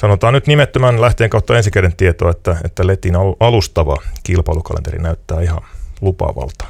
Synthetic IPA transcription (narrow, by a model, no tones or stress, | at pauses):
sɑnot̪ɑːnyt̪nimet̪ːømænlæht̪eːŋkɑut̪ːɑensikerent̪iet̪oːet̪ːæet̪ːælet̪inɑʔɑlust̪ɑʋɑkilpɑilukɑ̰lḛnt̪eɾḭnæyt̪ːæːihɑnlupɑ̰ʋɑ̰lt̪ɑ̥